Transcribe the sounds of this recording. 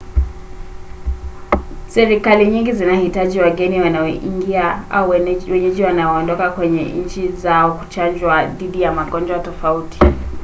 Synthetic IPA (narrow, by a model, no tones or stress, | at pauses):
sɛɾikaliɲiŋɡizinahitaʄiwaɡɛniwanaɔʔḭŋɡiaauwɛɲɛʄiwanaɔːndɔkakwɛɲɛ̰ɲ̩t͡ʃizaɔku̥t͡ʃand͡ʒwaðiɗijamaɡɔnd͡ʒwatɔfauti̥